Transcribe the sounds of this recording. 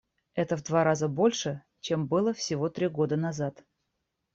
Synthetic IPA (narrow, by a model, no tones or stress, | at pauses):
ɛt̪əvd̪vaɾazəbo̞lʲʂɨ | t͡ɕe̞mbɨlˠəfsʲɪvo̞t̪ɾʲiɡo̞d̪ənɐzat̪